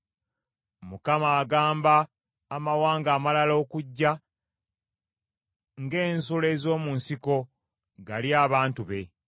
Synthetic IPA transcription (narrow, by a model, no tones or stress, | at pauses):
mukamaːɡaːmbaː | mawaːŋɡaːmalalo̞ːkuɟːa | ŋɡe̞ːnsule̞ːzo̞ːmunsiko̞ | ɡaljaːβaːntuβe̞